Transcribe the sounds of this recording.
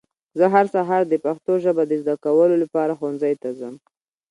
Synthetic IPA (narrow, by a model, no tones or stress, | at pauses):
zəɦaɾsaɦɑɾd̪əpaxt̪oʒəbad̪əzd̪akawəlolapɑɾaxonzajt̪azəm